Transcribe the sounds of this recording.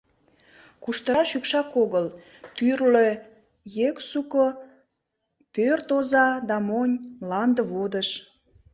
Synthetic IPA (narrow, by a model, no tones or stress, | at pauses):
kuʃt̪əɑʃykʃɑkoɣəl | t̪yrlø | jeksuko | pørt̪ozɑd̪ɑmonʲmlɑnd̪əβod̪əʃ